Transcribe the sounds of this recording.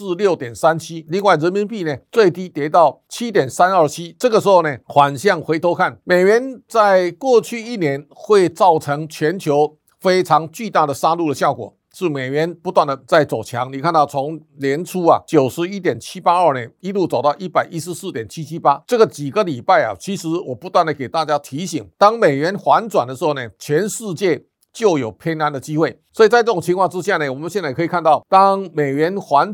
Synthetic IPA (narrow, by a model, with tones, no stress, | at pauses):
sɹ̩˥˧ljo˥˩ʊt̪jɛ˨˩nsa˥nt͡ɕʰi˥li˥˧ŋwa˥˩ɪɻə˧˦nmi˧˥npi˥˧ne˩t͡swe˥˧ɪt̪i˥t̪jɛ˧˥t̪ɑ˥˧ʊ | t͡ɕʰi˥t̪̬jɛ˨˩nsa˥˦nə˞˥˩t͡ɕʰi˦˥ʈ͡ʂɤ˥˩ɡə˩ʂɻ̩˧˥xo˥˧ne˨xwa˨˦˩nɕjɑ˥˩ŋxwe˧˥ɪt̪ʰo˧˥ʊkʰa˥˩nme˨˩ɪɥɛ˧˦˥nt͡sa˥˧ɪkwɔ˥˧t͡ɕʰy˥˧i˥˩njɛ˧˦nxwe˥˧ɪt͡sɑ˥˩ʊʈ͡ʂʰɤ˧˥ŋt͡ɕʰɥɛ˧˥nt͡ɕʰjo˧˥ʊ | fe˥ɪʈ͡ʂʰɑ˧˦˥ŋt͡ɕy˥˧t̪a˥˩d̪ə˩sa˥lu˥˩d̪ə˩ɕjɑ˥˩ʊkwɔ̰˨˩ | ʂɻ̩˥˩me˨˩ɪjɛ˧˥npu˧˥t̪wa˥˩nd̪ə˩t͡sa˥˩ɪt͡so˨˩ʊt͡ɕʰjɑ̰˧˦ŋni˨˩kʰa˥˧nt̪ɑ˥˩ʊt͡sʰo˧˥ŋljɛ˧˥nʈ͡ʂʰu˥ɐ̰˨t͡ɕjo˨˩ʊʂɻ̩˧˥i˥t̪̬jɛ˨˩nt͡ɕʰi˥pa˥ə˞˥˩nɛ˩i˥lu˥˩t͡sʊt̪ɑ˥˧ʊi˥˩pa˨˩ɪʔi˥ʂɻ̩˧sɹ̩˥˩t̪jɛ˨˩nt͡ɕʰi˥t͡ɕʰi˥pa˥ʈ͡ʂɤ˥˩ɡə˩t͡ɕi˨˩ɡə˦li˨˩pa˥˩ɪɐ̰˨˩t͡ɕʰi˧˥ʂɻ̩˧˥wɔ˨˩pu˧˦t̪wa˥˩nd̪ə˨˩ke˨˩ɪt̪a˥˧t͡ɕja˥t̪ʰi˧˥ɕi˨˩˦ŋt̪ɑ˥ŋme˨˩ɪɥɛ˧˥nxwa˧˥nt͡swa˨˩ndəʂɻ̩˧˥xo˥˩ne˨˩t͡ɕʰɥɛ˧˥nʂɻ̩˥˧t͡ɕjɛ˥˩ | t͡ɕjo˥˩ʊjo˨˩ʊpʰjɛ˥na˧˥nd̪ə˨t͡ɕi˥xwe˥˩ɪswɔ˧˥i˨˩t͡sa˥˧ɪʈ͡ʂɤ˥˩ʊ˨˩ŋt͡ɕʰi˧ŋkʰwɑ˥˧ŋʈ͡ʂɻ̩˦ɕja˥˨˩nə˩wɔ˨˩mə˦nɕjɛ˥˧nt͡sa˥˩kʰi˨˩kʰa˥˧nt̪ɑ˥˩ʊt̪ɑ˥ŋme˨˩ɪɥɛ˧˥nxwa˧˥n